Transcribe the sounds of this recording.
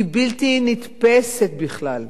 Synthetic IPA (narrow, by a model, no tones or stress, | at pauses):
bilt̪init̪peset̪̚biχlal